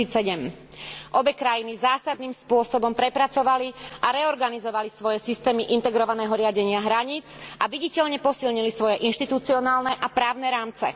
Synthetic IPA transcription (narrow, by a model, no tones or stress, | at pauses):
iːɛɟɛm | ʔɔbɛkɾajinizaːsad̪̚niːmspʊɔsɔbɔmpɾɛpɾat͡sɔʋaliʔaɾɛɔɾɡanizɔʋalisʋɔjɛsist̪ɛːmiʔint̪ɛɡɾɔʋanɛːɦɔɾɪaɟɛɲɪaɦɾaɲiːt͡sʔaʋiɟicɛʎɲɛpɔsilɲilisʋɔjɛʔinʃt̪it̪ut͡siɔnaːlnɛʔapɾaːʊnɛɾaːmt͡sɛ̰